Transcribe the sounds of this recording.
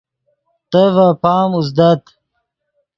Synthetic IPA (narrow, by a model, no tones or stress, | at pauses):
t̪əvapaːmuzd̪ɐt̪